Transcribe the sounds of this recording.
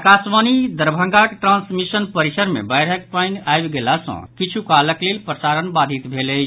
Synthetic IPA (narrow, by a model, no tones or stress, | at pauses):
kasmanid̪əɾbʱəŋɡakeʈɾãnsmisənpəɾisəɾmḛbajɽək̚panajbɡelasə̰̃kit͡ʃʰukaləklelpɾəsaɾənbad̪ʱit̪bʱeləɪt͡ʃʰ